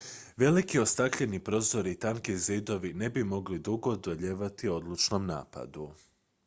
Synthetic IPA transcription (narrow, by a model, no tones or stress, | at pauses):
ʋe̞likiost̪akʎe̞nipɾo̞ːzo̞ɾit̪aŋkizid̪o̞ʋine̞bimo̞ɡlid̪uɡo̞d̪oʎeːʋat̪io̞d̪lˠut͡ʃno̞mna̰ːpa̰d̪u